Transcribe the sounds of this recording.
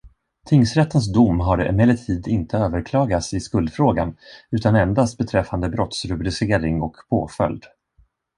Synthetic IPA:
t̪ʰɪŋsɾɛt̪ːəns̬d̪ʊmːɦaɾɛ̰mɛlət̪ʰiːd̪ɪnt̪ʰəøːvəɾkʰlɑːɡat̪sɪskɵld̪fɾoːɡa̰nʉ̟ːt̪anɛnd̪ast̪̚bɛt̪ʰɾɛfːand̪əbɾɔt̪sɾɵbɾɪseːɾɪŋɔkpʰoːfœ̰ld̪

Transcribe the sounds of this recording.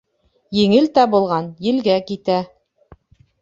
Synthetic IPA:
jɘ̆ŋɘlt̪æbulˠʁɑnjɘ̆lɡækit̪æ

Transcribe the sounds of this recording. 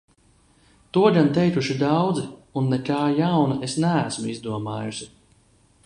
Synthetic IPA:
t̪uɔʎʲant̪ɛjkuʃid̪awd̪zunːɛkaːjawnaʔesnææsmuizd̪uɔmaːjusi

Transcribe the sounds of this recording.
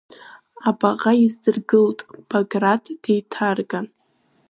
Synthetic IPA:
abaʁaizdɨrɡɨltʼb̥aɡradʰd̥ejtʰarɡan

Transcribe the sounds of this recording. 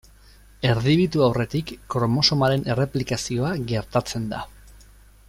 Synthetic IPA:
e̞ɾðiβit̪uawre̞t̪ikːoɾomo̞so̞maɾe̞ne̞re̞plikasio̞aɡe̞ɾt̪at͡se̞nd̪a̰

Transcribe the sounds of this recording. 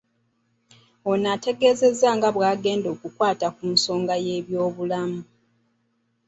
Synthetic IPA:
onate̞ɡe̞ːze̞zːaŋɡaβwaːɡe̞ːndo̞ːkukwaːtakunso̞ːŋɡaje̞ːβjo̞ːβulamu

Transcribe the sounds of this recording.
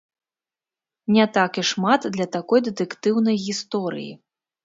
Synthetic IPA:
nʲɛt̪akiʂmat̪d̪lʲɐt̪akɔjd̪ɛt̪ɨkt̪ɨwnɐjɣʲist̪ɔɾɨ̰jḭ

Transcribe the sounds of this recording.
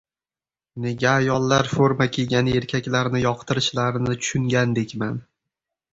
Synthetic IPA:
ne̞ɡʲaːjɒlˠːaɾfoɾmakʲʰeɡʲane̞ɾkʲʰakʲlaɾnɪjɒqt̪ʰɪɾɪʃlaɾɪnɪt̪ʰʊ̥ʃʊŋɡʲand̪e̞kʲman

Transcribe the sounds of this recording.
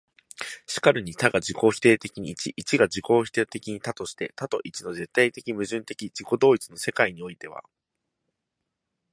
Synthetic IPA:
ɕi̥kaɾɯ̟ɲ̟it̪aɡad͡ʑiko̞ːçi̥t̪e̞ːt̪e̞kʲiɲ̟iːt͡ɕiʔit͡ɕiɡad͡ʑiko̞ːçi̥t̪et̪e̞kʲiɲ̟it̪at̪o̞ɕi̥t̪e̞t̪at̪o̞ʔit͡ɕino̞ze̞t̪ːait̪e̞kʲimɯ̟ʑɨ̃nt̪e̞kʲid͡ʑiko̞d̪o̞ːit͡sɨno̞se̞kaiɲ̟io̞it̪e̞β̞a̰

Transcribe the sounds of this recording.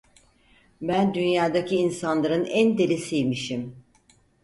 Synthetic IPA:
bænd̪ynjaːd̪acʰiːnsanlˠaɾɯnænd̪e̞lʲesijmiʃim

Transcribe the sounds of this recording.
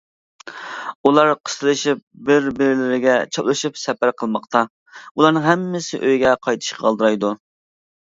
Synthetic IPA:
ulˠɑɾqʰə̥st̪ʰɨlˠɨʃip̚bɪɾbɪɾɪlɪɾɪɡʲɛt͡ʃʰɑblˠɨʃipsɛpæɾqʰəlˠmɑqt̪ɑ | ulˠɑɾnɨŋɦɛmːɪsɪʔøjɡʲɛqʰɑjt̪ʰɨ̥ʃqʰɑɑlˠd̪ɨɾɑjd̪u

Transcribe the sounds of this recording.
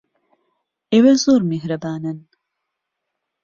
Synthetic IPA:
ewezoːɾmeɦɾɐbaːnɐn

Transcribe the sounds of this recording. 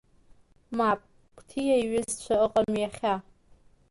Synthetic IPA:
mapʼ | kʷʰtʰijajɥʊzt͡ʃʷʰaɨqʼamjaχʲa

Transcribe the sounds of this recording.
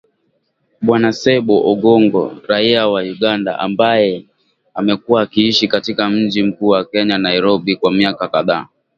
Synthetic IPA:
ɓwanasɛɓɔʔɔɡɔŋɡɔ̰ɾaiawajuɠanda̰ʔa̰mbajɛ | amɛkuwaːkiiʃikatikam̩d͡ʒim̩kuːwakɛɲanaiɾɔɓikwamiakakaðaː

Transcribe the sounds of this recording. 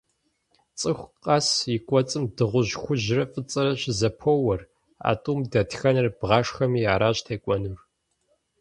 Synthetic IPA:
t͡sʼɨxʷqʼɑːsikʷʼɔt͡sʼɨmdɨʁʷʊʑxʷʊʑɪrɐfʼɨt͡sʼɐɾɐɕɪzɐpʰowɐr | a̰ːtʼumdɐtxɐnɨrbʁɑːʂxɐmiaːɾaːɕtʰejkʷʼɔnur

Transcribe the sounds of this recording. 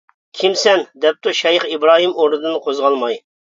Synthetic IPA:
kʲʰimsɛnd̪ɛp̚t̪uʃɑjɨχibɾɑːɦimoɾd̪ɨd̪ɨnqʰozʁɑlˠmɑj

